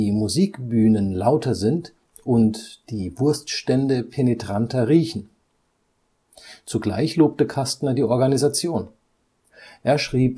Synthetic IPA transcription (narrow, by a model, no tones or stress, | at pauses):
iːmuziːkb̥yːnənlaʊtʰɐzɪnt | ʔʊntd̥iːvʊɐstʃtɛndəpʰenetʁ̥antɐʁiːçn̩ | t͡suɡla̰ɪçloːp̚təkʰastnɐdiːʔɔɐɡanizat͡sjoːn | ʔeːɐʃʁ̥iːp